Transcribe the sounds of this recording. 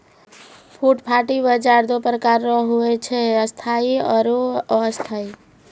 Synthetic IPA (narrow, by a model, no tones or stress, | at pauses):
pʰuʈpʰaʈibəd͡ʒaɾd̪opɾəkaɾːɔɦuɛt͡ʃʰɛəst̪ʰaiɔɾost̪ʰai